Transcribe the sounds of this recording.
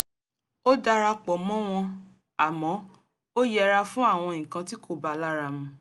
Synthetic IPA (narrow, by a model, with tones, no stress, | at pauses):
o˦da˧ɾa˧k͡pɔ˨mɔ̃˦w̃ɔ̃˧ | a˨mɔ̃˨˦ | o˦jɛ˦˨ɾa˧fũ˦a˦˨w̃ɔ̃˧ĩ˨kã˧ti˦kʰo˦˨ba˨˧la˦ɾa˧mũ˧